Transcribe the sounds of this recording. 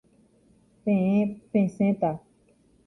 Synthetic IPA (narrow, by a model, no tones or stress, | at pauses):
pẽẽpẽsẽt̪a